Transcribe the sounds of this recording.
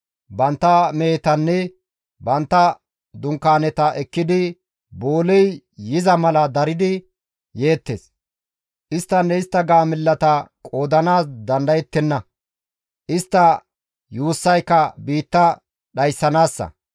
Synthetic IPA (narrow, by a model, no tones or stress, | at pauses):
bɐnt̪ːɐmeːt̪ɐnːɛ | bɐnt̪ːɐ | d̪ʊŋkːaːnɛt̪ɐʔɛkːɪd̪ɪ | boːlɛj | jɪzɐmɐlɐd̪ɐɾɪd̪ɪ | je̞ːt̪ːes | ʔɪst̪ːɐnːɛɪst̪ːɐɡaːmɪlːɐt̪ɐkʼo̞ːd̪ɐnaːsd̪ɐnd̪ɐjɛt̪ːɛnːɐ | ʔɪst̪ːɐ | juːsːɐjkːɐbiːt̪ːɐ | ɗɐjsːɐnaːsːɐ̰